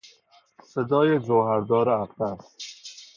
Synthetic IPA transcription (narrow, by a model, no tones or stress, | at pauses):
sed̪ɒːjezoːɦæɾd̪ɒːɾɛæft̪æst̪